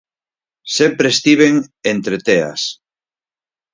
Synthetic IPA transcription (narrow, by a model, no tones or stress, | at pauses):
sempɾest̪iβeŋent̪ɾet̪ea̰s